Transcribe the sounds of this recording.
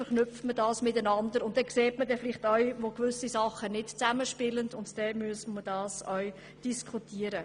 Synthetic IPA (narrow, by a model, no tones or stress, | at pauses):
fəɾχnʏftmədɑːsmɪtənɑndəɾʊnt̚d̥ɛkseːtmədɛfɪlɪχtœɥʋokʋʏsisɑχənɪtt͡sæməʃpɪləndʊntd̥ɛmyəsmədɑːsœɥ | d̥iskʰutiːəɾə